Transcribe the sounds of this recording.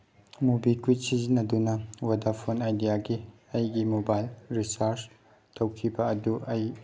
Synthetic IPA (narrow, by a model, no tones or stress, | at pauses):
mubikwit̚sizinːɐdunɐwadapʰonajdijaɡi | ɐjɡimobajlɾisaɾs | tɐwkʰibɐɐduʔɐj